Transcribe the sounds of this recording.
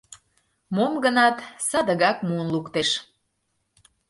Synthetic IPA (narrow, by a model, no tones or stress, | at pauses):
momɡənɑt̪sɑd̪əɣɑkmuənlukt̪eʃ